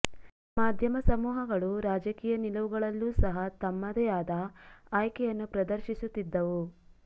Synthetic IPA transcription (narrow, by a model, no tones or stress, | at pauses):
maːd̪ʱjɐmɐsɐmuːɦɐɡɐɭuɾaːd͡ʒɐkiːjɐnilɐʋuɡɐɭɐlːuːsɐɦɐt̪ɐmːɐd̪ɛjaːd̪ɐaːjkɛjɐnːupɾɐd̪ɐɾʃisut̪ːid̪ːɐʋu